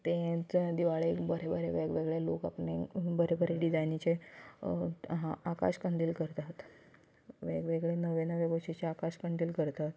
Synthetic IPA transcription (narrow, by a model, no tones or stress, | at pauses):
t̪ẽt͡sd̪iʋaɭekbəɾebəɾeʋeɡʋeɡɭeloka̰pɳebəɾebəɾeɖid͡zajnit͡ɕe | ɦaaka̰ɕkəɳd̪iːlkəɾt̪at̪ | ʋeɡʋeɡɭenəʋenəʋebəɕit͡ɕeakaɕkəɳd̪iːlkəɾt̪at̪